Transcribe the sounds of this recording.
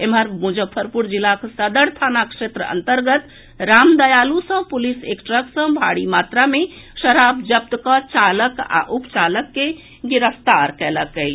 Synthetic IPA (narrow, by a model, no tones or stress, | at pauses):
emɦəɾmud͡ʒəbpʰəɾpuɾd͡ʒilːaksəd̪əɾt̪ʰanakʃet̪ɾəə̰nt̪əɾɡət̪ | ɾamd̪əjalusə̃pulisḛkʈɾəksə̃bʱaɽimat̪ɾame | ʃəɾabd͡ʒəp̚t̪kət͡ʃaləka̰ʔupt͡ʃaləkːe | ɡiɾəst̪aɾkɛləkəj